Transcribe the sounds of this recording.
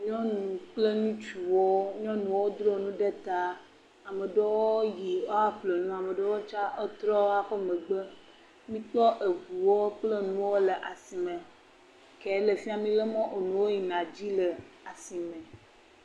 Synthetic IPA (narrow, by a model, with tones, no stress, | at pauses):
ɲɔ̃˦nũ˨k͡ple˦nũ˦t͡ʃu˨wo˦ɲɔ̃˦nũ˨wo˦d̪ɾo˦nũ˦ɖe˦t̪a˦ | a˨me˨ɖe˦wo˦ji˨o˦a˦ɸle˨nũ˦a˨me˨ɖe˦wo˦t͡ʃa˦ʔo˦t̪ɾɔ˦wo˦a˦ɸɔ˦mẽ˨ɡ͡be˦ | mĩ˦k͡pɔ˦ʔe˨ɡu˨wo˦k͡ple˦nũ˦wo˦lə˨ʔa˨si˨mẽ˨ | ke˨˦le˨fi˦a˦mĩ˦le˦mɔ̃˦ʔo˨nũ˨wo˦ji˨nã˨d͡ʑi˦lə˨ | a˨si˨mẽ˨